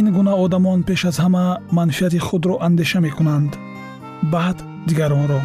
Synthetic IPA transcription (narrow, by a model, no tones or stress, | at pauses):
inɡunaɔd̪amɔnpe̞ʃazhamamanfiat̪iχud̪ɾɔʔand̪e̞ʃame̞kunand̪ | bad̪ | d̪iɡaɾɔnɾɔ